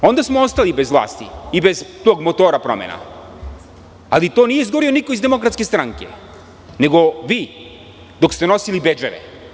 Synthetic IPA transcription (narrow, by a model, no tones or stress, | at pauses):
ond̪asmɔost̪alibɛzvlˠa̰ːst̪iibɛzt̪oɡmot̪oɾapɾɔmɛ̰na̰ | alit̪onijɛizɡoɾionikoizd̪ɛmokɾat̪skest̪ɾaŋkɛ̰ | nɛɡoʋi | d̪okst̪ɛnɔsilibɛd͡ʒɛɾɛ̰